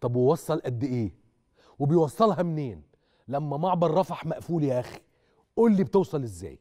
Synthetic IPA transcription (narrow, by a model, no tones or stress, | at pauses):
t̪ˤɑbwɪwɑsˤːɑlʔæd̪ːɪʔeː | wɪbɪjwɑsˤːɑlɦɑmneːn | læmːæmaʕbɑɾˤːɑfaħmaʔfuːliʔæxi̥ | ʔuːlːibt̪ɪwsˤɑlɪzːæ̰ːj